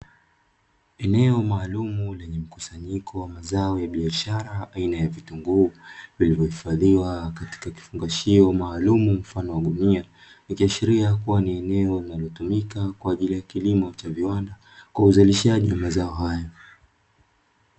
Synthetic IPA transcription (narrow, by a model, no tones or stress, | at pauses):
ɛnɛɔmaːlumulɛɲɛm̩kusaɲikʰɔwamazaɔjaɓiaʃaɾaainajavituŋɡuːvilivjɔhifaðiwakati̥kaki̥fuŋɡaʃiɔmaːlumum̩fanɔwaɗunia | nikiaʃiɾiakuwaniɛnɛɔlinalɔtumikakwaːʄilijakilimɔt͡ʃaviwanda | kwauzaliʃaʄiwamazaɔɦajɔ